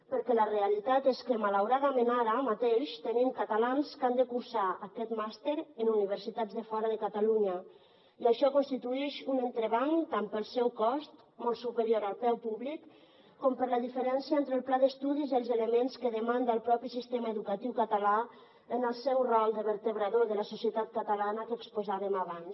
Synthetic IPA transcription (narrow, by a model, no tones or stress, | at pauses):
pəɾkɛləreəlit̪at̪eskəmalawɾaðəmenaɾəmat̪eʃt̪ənimkat̪alanskand̪əkuɾsaəkɛt̪mast̪eɾənuniβ̞əɾsit̪ad̪zðəfɔɾəðəkat̪aluɲə | iəʃɔkonst̪it̪uɛʃunənt̪ɾəβaŋt̪ampəlˠsɛwkɔst̪ | mɔlˠsupəɾjoɾalˠpɛwpuβlikː | ɔmpəɾləðifəɾɛnsjəent̪ɾəlˠplaðəst̪uðiziəlˠzələmenskəðəmand̪aəlˠpɾɔpisist̪eməəðukat̪iwkət̪ala | ənəlˠsɛwrɔlˠd̪əβəɾt̪əβɾaðoðələsosiət̪at̪̚kət̪alanəkəkspozaβəmaβans